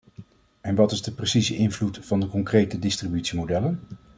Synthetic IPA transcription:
ɛnʋɑtɪzdəprəsizəʔɪnvlutfɑndəkɔŋkrejtədɪstribytsimodɛlən

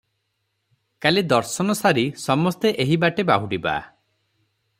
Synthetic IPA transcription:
kaled̪ɔɾsɔnɔsaɾisɔmɔst̪eʔeɦibaʈebaɦuɖiba̰

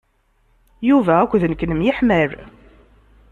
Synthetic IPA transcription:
juvæækʷːðənəkːnəmjɪħməɾ

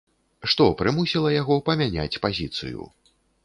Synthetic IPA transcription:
ʂt̪ɔpɾɨmusʲilˠɐjaɣɔpɐmʲanʲa̰t͡sʲpazʲit̪sɨ̰jṵ

